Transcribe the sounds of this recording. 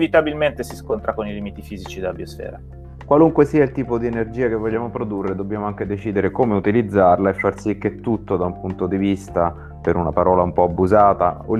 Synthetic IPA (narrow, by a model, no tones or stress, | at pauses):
vit̪abilment̪esiskont̪ɾakonilimit̪ifiːzit͡ʃid̪abiosfɛ̰ːɾa | kwaluŋkwesiːailt̪iːpod̪ienerd͡ʒiːakevːɔʎːaːmopɾod̪urːed̪objaːmoaŋk̟ed̪et͡ʃiːd̪eɾekoːmeut̪ilid̪zːarlaefːarsikːet̪ːut̪ːod̪aumpunt̪od̪ivist̪a | peɾuna̰paɾɔːlaumpɔabːuzaːt̪a̰o